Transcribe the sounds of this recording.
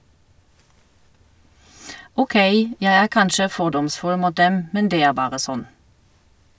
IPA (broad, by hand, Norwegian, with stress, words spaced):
uːˈkeɪ ˈjæɪ ˈæːʁ ˈkɑnʃə ˈfɔʁdɔmˌsfʉl ˈmuːt ˈdɛm ˈmɛn ˈdeː ˈæːʁ ˈbɑːʁə ˈsɔn